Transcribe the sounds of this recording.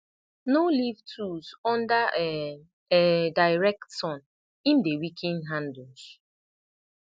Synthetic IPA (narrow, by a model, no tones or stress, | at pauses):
nolivtʰusɔ̃ndaʔɛ | ɛdaɪɹɛk̚tsɔ̃n | ĩndewikʰĩnɦãndls